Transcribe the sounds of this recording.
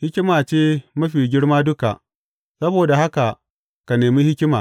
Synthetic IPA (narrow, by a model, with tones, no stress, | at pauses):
hɪ˦kʲɪ˦maː˨t͡ʃeː˦mɐ˦ɸiː˨ɡʲɪ˦ɽmaː˦dʊ˦ka̰˨ʔ | sɐ˦boː˨da˨ha˦ka˨ | ka˨neː˨miː˦hɪ˦kʲɪ˦maː˨